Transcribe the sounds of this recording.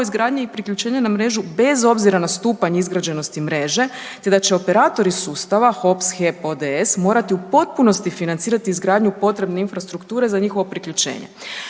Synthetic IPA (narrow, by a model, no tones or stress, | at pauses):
izɡɾaːd̪ɲeipɾikʎut͡ʃe̞ːɲenamɾe̞ːʒube̞zo̞bziɾanast̪uːpaɲeizɡɾad͡ʑe̞no̞st̪imɾe̞ʒe̞ | t̪e̞d̪at͡ɕe̞o̞pe̞ɾaːt̪o̞ɾisuːst̪aʋaxo̞psxepo̞d̪eesmo̞ːɾat̪iupo̞t̪̚puno̞st̪ifinant̪siːɾat̪iːzɡɾaːd̪ɲupo̞t̪ɾe̞bne̞infɾast̪ɾukt̪uːɾe̞zaɲixo̞ʋo̞pɾikʎut͡ʃe̞̰ːɲḛ